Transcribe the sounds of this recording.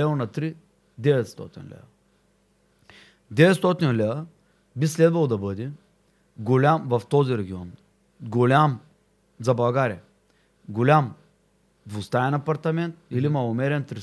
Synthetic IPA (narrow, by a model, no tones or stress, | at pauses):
lɛonɐt̪ɾi | d̪ɛvɛt̪st̪ɔ̰t̪ḭnlɛ̰vɐ | d̪ɛvɛt̪st̪ɔt̪inlʲɛvɐ | bislɛd̪vɐlˠd̪ɐbəd̪ɛ | ɡolʲamvɐft̪ɔziɾɛɡʲiɔn | ɡolʲam | zɐbɐlˠɡaɾʲiɐ | ɡolʲam | vʊst̪aɛnɐpɐɾt̪ɐmɛnt̪ilimɐlˠomɛɾɛnt̪ɾi